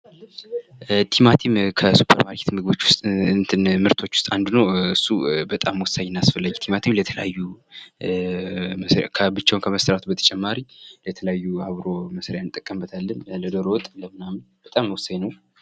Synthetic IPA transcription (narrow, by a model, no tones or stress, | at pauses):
t̪ʰimat̪ʰimkʰəsupʰə̰ɾmaɾkʰe̥t̪mɨɡɨβo̞t͡ʃːwʊst̪ʼnt̪ʰɨnmɨɾt̪ʰo̞t͡ʃːwʊ̥st̪ʼand̪unəwɨsːubət̪ʼamːwɔsːajɪnːasfəlːad͡ʒt̪ʰimat̪ʰimlət̪ʰələjajːu | kʰəbɨt͡ʃːawnkʰəməsəɾat̪ʰubət̪ʰə̥t͡ʃʼɛmːaɾilət̪ʰələjajːuaβɾo̞məsɾejanɨt̪ʼːəkʼːəmbət̪ʰalːənləd̪oɾowt̪ʼləmɨnamɨnbət̪ʼamːəwɔsːaɲnəw